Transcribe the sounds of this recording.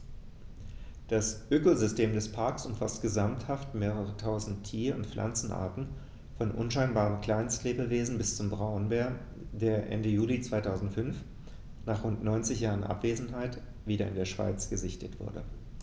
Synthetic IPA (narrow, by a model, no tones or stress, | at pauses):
d̥asʔøːkozʏstʰeːmdɛspʰaɐksʊmfastɡ̥əzamthaftmeːʁəʁ̞ətʰaʊzn̩tʰːiːɐʊntflʔa̰nt͡sn̩ʔa̰ɐtn̩ | fɔnʔʊ̰nʃaɪnbaːʁənkl̥aɪnskleːbəveːzn̩bɪst͡sʊmbʁaʊnbeːɐ | deːɐʔɛ̰ndəjuːlit͡sv̥aɪtʰaʊzn̩tfʏnf | naːχʁ̥ʊntnɔʏnt͡sɪçjaːʁənʔa̰pv̥eːzn̩ɦaɪt | viːɾɐɪ̰ndeːɐʃv̥a̰ɪt͡sɡ̥əzɪçtətv̥ʊ̰ɐdə̰